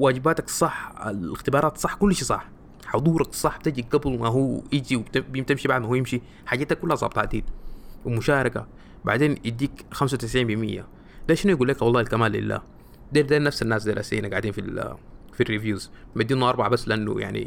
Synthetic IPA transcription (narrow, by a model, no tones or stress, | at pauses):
waːɟibaːt̪aksˤɑħa̰lɪxt̪ibɑːɾˤɑːt̪sˤɑħːkulːʃisˤɑħ | ħod̪ˤuːɾʔɑksˤɑħːb̥̚t̪ad͡ʒiɡablmaɦuːjid͡ʒiwt̪bt̪imʃibaʕd̪̚mahuːjɪmʃi | ħaɟaːt̪akːulːhazˤɑ̰ːbt̪ˤaʔad̪iːd̪wimuʃaːɾˤɑka̰ | ba̰ʕd̪eːnʔid̪iːkxams̬awt̪ɪs̬ʕiːmbimijːa̰ | d̪aːʃinujɡuːlːeːkawɑlˤːɑːilkamaːlːḭlːa̰ː | d̪eːd̪aːnafsanːaːsd̪iɾʔa̰ːsiːnaɡaʕd̪iːnfil | firːivjuːzmad̪ːiːnuʔɑɾˤbɑʕbasːlʔanːṵja̰ʕnḭ